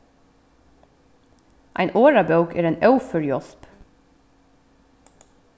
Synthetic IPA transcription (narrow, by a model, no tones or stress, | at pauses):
ʔæ̰ɪnʔoːɹɑbɑʉɡeːɾeːnɑʉfœɹjɔsp